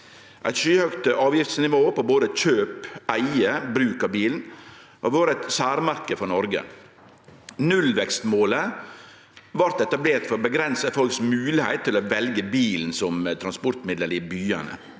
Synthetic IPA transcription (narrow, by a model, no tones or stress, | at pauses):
ʔæ̰ɪt̪ʃyːhœkt̪ɑːʋjɪft̪snɪʋoːpɔboːd̪əc͡çøːpæɪəbɾʉːkəɾbiːln̩ | ʔɔʋoːɾɛt̪sæːɾmɑɾkəfɔnɔɾɡə̰ | nʉlʋɛkst̪moːlə | ʋɑɾt̪ɛt̪ɑbleːɾt̪fɔɾbəɡɾɛnsəfɔlksmʉːlɪhæɪt̪ʰːɪloːʋɛlɡəbiːln̩sɔmt̪ʰɾɑnspɔɾt̪mɪd̪ləɾiːbyːɑnə̰